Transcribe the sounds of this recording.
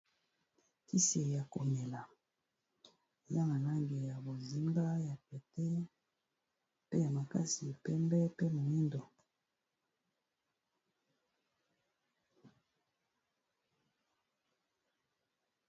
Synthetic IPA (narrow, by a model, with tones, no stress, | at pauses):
ki˦se˨ja˨ko˨me˨la˨ | e˨za˦ma˨la˦ŋɡe˨ja˨bo˨zi˦mba˦ja˨pɛ˨tɛ˦ | pe˦ja˨ma˨ka˦si˨pɛ˦mbɛ˦pe˦mo˨i˦ndo˨